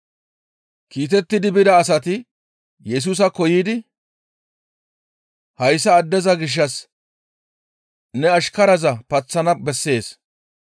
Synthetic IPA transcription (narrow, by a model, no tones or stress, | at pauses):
kiːt̪̬ɛt̪ːɪd̪ɪbɪd̪ɐːsɐt̪ɪ | jɛs̬uːs̬ɐkɔjiːd̪ɪ | hɐjsːɐːd̪ːɛzɐɡɪʃ̬ːɐs | nɛɐʃkɐɾɐzɐpɐt͡sːɐnɐbɛsːe̞ːs